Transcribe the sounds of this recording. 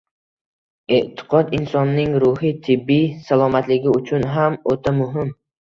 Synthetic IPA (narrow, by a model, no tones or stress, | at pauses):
eʔt̪ʰɪ̥qʰɒd̪ɪnsɒnːɪŋɾʊhɪt̪ʰɪbːijsalˠɒmat̪lɪɡʲɪʊt͡ʃʰʊnɦamot̪ʰamʊɦɪm